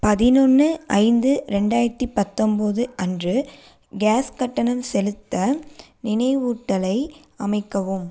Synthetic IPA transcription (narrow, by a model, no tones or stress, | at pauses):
pɐðɪnɔnːɯʔɐɪnd̪ɯɾɛɳɖaːjɐɾɐt̪ːipɐt̪ːɔmbɐðɯʔɐndrɯ | ɡaːskɐʈːɐnɐmsɛlɯt̪ːɐ | nɪnɐɪʋuːʈːɐlɐɪɐmɐɪkːɐʋɯm